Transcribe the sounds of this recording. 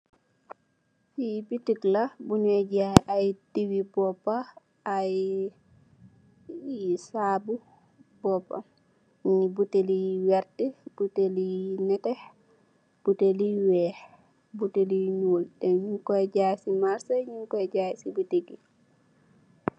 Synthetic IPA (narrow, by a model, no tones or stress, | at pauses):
fibitiklabunɛɟaajtiwibɔpːaː | j | saːbu | bɔpːa̰ | ɲibutelijwɛɾtɛbutelijnɛtɛ | b̥uteliwɛːh | buteliɲuːldɛɲuŋkɔɛɟaːsimaɾsaɲuŋkɔɛɟasibuteɡi